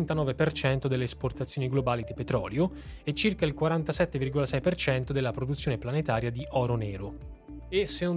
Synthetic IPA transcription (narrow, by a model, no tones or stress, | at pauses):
nt̪anɔːvepert͡ʃɛnt̪od̪elːeːsport̪at̪sːjoːniɡlobaːlid̪ipet̪ɾɔ̰ːljo | ɛt͡ʃːirkailkwaɾant̪asɛt̪ːevirɡolasɛjpert͡ʃɛnt̪od̪elːapɾod̪ut̪sːjoːneplanet̪aːɾjad̪iʔɔːɾonɛːɾo | esenon